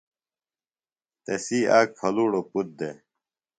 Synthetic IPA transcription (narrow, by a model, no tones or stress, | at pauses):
t̪esiaːkʰɐluːɽoput̪̚d̪e